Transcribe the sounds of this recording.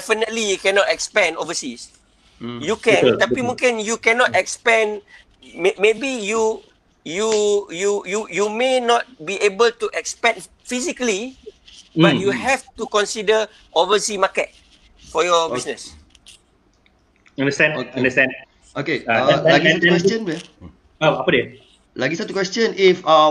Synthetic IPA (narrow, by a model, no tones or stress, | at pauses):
dɛfənətlijukɛ̃nɔtɛkspɛ̃nɔvəsis | jukɛ̃nt̪apimũŋkĩnjukɛ̃nɔtɛkspɛ̃n | memebiju | jujujujumenɔt̚biʔebəltuʔɛkspɛ̃n | fisikli | bajuhɛftukɔ̃nsidə | ʔɔvəsimakət̚ | fɔjɔbisnəs | ãndəstɛ̃nãndəstɛ̃n | ʔokeaaɡiɛ̃tɛkwɛstə̃nbɛ | aapadɛ | laɡisat̪ukwɛstə̃nifa